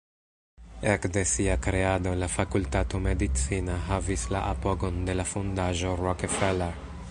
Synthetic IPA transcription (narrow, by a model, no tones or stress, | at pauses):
ekd̪esiakɾead̪olafakult̪at̪omed̪it͡sinaɦavislaʔapoɡond̪e̞lafund̪aʒoɾokefeleɾ